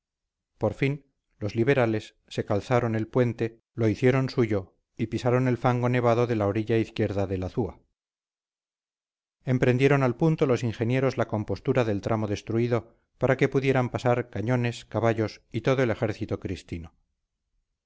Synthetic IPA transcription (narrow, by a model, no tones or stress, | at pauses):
po̞ɾfin | lo̞zliβ̞e̞ɾale̞sːe̞kalθaɾo̞ne̞lpwe̞nt̪e | lo̞iθje̞ɾo̞nsuʝo̞ | ipisaɾo̞ne̞lfaŋɡo̞ne̞β̞aðo̞ðe̞laoɾiʎaiθkje̞ɾðaðe̞laθua | e̞mpɾe̞nd̪je̞ɾo̞nalpunt̪o̞lo̞siŋxe̞nje̞ɾo̞zlako̞mpo̞st̪uɾaðe̞lt̪ɾʔamo̞ðe̞st̪ɾuiðo̞ | paɾake̞puðje̞ɾampasaɾkaɲo̞ne̞skaβaʎo̞sit̪o̞ðoele̞xe̞ɾθit̪okɾist̪ino